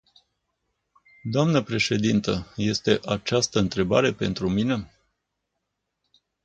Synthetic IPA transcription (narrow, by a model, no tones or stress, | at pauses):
d̪oamnəpɾe̞ʃe̞d̪int̪əje̞st̪e̞ʔat͡ʃast̪əɨnt̪ɾe̞ba̰ɾe̞pe̞̰nt̪ɾumine̞